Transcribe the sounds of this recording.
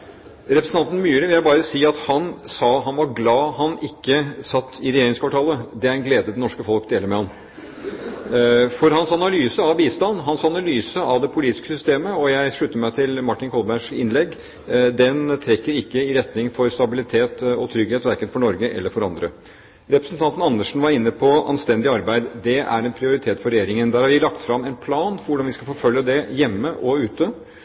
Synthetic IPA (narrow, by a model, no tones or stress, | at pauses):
ɾɛpɾəsn̩ɑnn̩myːɾəʋɪljæɪbɑːɾəsiːɑt̪hɑnsɑːɦɑnʋɑɾɡlɑːɦɑnɪkːəsɑt̪ːɪɾɛjeːɾɪŋskʰɑʈʰɑːləd̪ɛæɾɛnɡleːd̪əd̪ɛnɔʂkəfɔlkd̪eːləɾmɛhɑn | fɔɾɦɑnsɑnɑlyːsəɑʋbiːst̪ɑnːɦɑnsɑnɑlyːsəʔɑʋd̪ɛpʰʊliːt̪ɪ̥skəsʏst̪eːməɔjæɪʂɭʉt̪ːəmæɪt̪ʰɪlmɑʈːɪnkʰɔlbæʂɪ̰nlɛɡː | d̪ɛnt̪ʰɾɛkːəɾɪkːəɪɾɛt̪nɪŋfɔɾst̪ɑbɪlɪt̪ʰeːt̪ɔt̪ʰɾʏɡheːt̪ʋæɾkənfɔɳɔɾɡəʔɛ̰lːəɾfɔɾɑnd̪ɾə | ɾɛpɾəsnt̪ʰɑnt̪n̩ɑnːəʂn̩ʋɑɾɪnːəpʰɔʔɑ̰nst̪ɛnd̪ɪɑɾbæɪd̪d̪ɛʔæ̰ɾɛnpʰɾɪʊɾɪt̪ʰeːt̪fɔɾɛjeːɾɪŋənd̪æːɾhɑɾʋɪlɑkt̪fɾɑmːɛɪnpʰlɑːnfɾʋʊɖɑnʋɪskɑfoːfœljəd̪ɛjɛmːəʔɔʉːt̪ə